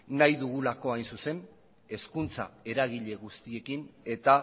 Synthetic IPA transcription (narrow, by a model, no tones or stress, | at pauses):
najðuɣ̞ulako̞ajnsuse̞n | e̞skunt͡sa̰e̞ɾaɣiʎe̞ɣust̪ie̞kine̞t̪a